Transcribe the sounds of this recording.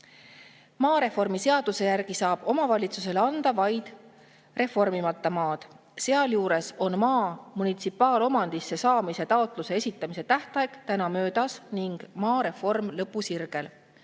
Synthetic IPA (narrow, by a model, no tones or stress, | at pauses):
mɑːɾe̞fo̞rmise̞ɑd̪̥use̞jærɡ̥isɑːb̥o̞mɑvɑlʲit̪sus̬e̞leɑnd̪̥ɑvɑjd̪̥ | re̞fo̞rmimɑt̪ːˑɑmɑːd̪̥ | seɑljuːɾe̞so̞nmɑːmunit̪sipːˑɑːlo̞mɑnd̪̥isːe̞sɑːmise̞t̪ɑot̪ˑluse̞e̞sʲit̪ːˑɑmise̞t̪æht̪ˑɑjekt̪ænɑmø̞ːd̪ɑsniŋɡ̥mɑːɾe̞fo̞rmlɤpˑːusirɡ̥e̞l